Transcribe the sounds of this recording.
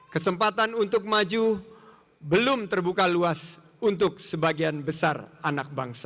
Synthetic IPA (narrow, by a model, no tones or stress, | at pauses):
kəsəmpat̪anunt̪ʊk̚mad͡ʒu | bəlʊmt̪ərbukaluas | unt̪ʊk̚səbaɡianbəsaranak̚baŋsḁ